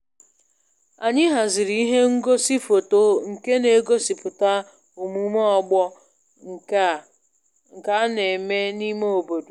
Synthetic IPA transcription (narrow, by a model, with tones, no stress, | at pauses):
a˨ɲɪ˦ɦa˨zɪ˨ɾi˦i˦ɦe˦ŋ̩˦ɡo˦si˦fo˨to˦ŋ̩˨ke˦ne˨˦ɡo˦si˨pʊ˨ta˦ | o˨mu˦mɔ˦ɔ˨ɡ͡bɔ˦˨ | ŋ̩˨ka˨˦ne˨me˦ni˦me˦o˨bo˨du˨